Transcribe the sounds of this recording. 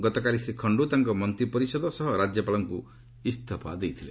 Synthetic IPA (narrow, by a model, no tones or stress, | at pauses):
ɡɔt̪ɔkalisekʰɔɳɖut̪aŋkɔmɔnt̪ɾipɔɾisɔd̪ɔsɔɦɔɾad͡ʒjɔpalɔŋku | ist̪ʰɔpa̰d̪ejt̪ʰile